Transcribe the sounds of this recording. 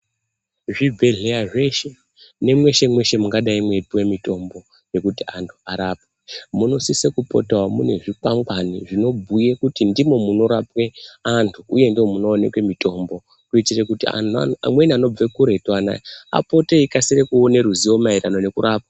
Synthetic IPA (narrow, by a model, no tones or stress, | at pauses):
ʐibʱe̞ɮe̞aʐe̞ʃe̞ | ne̞mwe̞ʃe̞mwe̞ʃe̞muŋɡaɗaimwe̞piwe̞mito̞mbo̞ | je̞kutiantʰu̥aɾaːp̚eemuno̞sisekupo̞̰tawamune̞ʐikaŋɡwaniʐino̞bʱuje̞kutindimo̞muno̞ɾapwe̞antʰuuje̞ndio̞muno̞ːne̞̰kwe̞mito̞mbo̞ | kuitire̞kutḭa̰mwe̞niano̞b͡ve̞kuɾe̞twana̰ia̰po̞teikasirekuone̞ɾuziwo̞mairano̞ne̞kuɾaːp̚ḁ